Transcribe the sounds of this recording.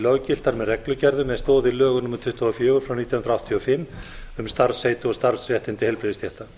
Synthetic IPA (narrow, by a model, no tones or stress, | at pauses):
lœɣcɪl̥t̪aɾmɛðrɛklʏcɛɾðʏmɛðst̪ɔːðɪlœːɣʏnʊmaɾt̪ʰʏht̪ʰɔɔfjœːɣʏɾfɾawniːt̪jahnɾawht̪ʰiɔfɪmːʏmst̪aɾsejt̪ʏɔst̪aɾsrjɛht̪ɪnt̪ɪhɛjlpɾeðɪst̪ʰjɛht̪a